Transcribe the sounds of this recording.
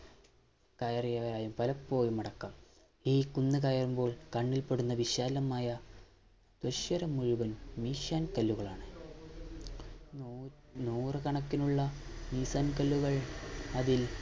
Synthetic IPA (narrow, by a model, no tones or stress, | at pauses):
kɐjɐrijaːɾaːjɐumpɐlɐpːo̞ːjumːɐɽɐkːɐm | iːkunːɨkɐjɐrumbo̞ːɭkɐɳːilpe̞ɽunːɐʋiɕaːlɐmaːjɐ | t̪wɐɕjɐɾɐmːuɻuʋɐnmiːɕaːnkɐlːuɣɐɭaːɳɨ | nuːrɨkɐɳɐkːinuɭːɐmiːsaːnkɐlːuɣɐɭɐðil